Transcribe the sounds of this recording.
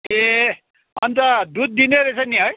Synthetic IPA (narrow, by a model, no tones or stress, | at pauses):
e | ʌnt̪ʌd̪ud̪̚ːineɾet͡sʰʌniɦʌj